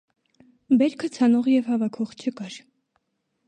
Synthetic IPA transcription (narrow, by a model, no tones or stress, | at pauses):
bɛɾkʰət͡sʰɑnɔʁjɛvhɑvɑkʰɔχt͡ʃʰəkɑɾ